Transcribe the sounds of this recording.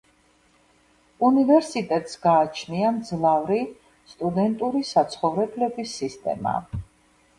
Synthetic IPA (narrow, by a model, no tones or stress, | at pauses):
univɛɾsit̪ʼɛt̪ʼsɡaːt͡ʃʰniamd̪zlˠavɾi | st̪ʼud̪ɛnt̪ʼuɾisat̪sʰχɔvɾɛblɛbisːist̪ʼɛ̰ma̰